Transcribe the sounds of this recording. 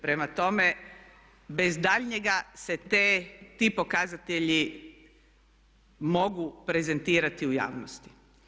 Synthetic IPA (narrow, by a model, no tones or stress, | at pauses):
pɾe̞mat̪o̞me̞ | bezd̪aʎɲeɡase̞t̪eːt̪iːpo̞kazat̪eʎi | mo̞ɡupɾe̞ze̞nt̪iːɾat̪iuja̰ːʋnost̪i̥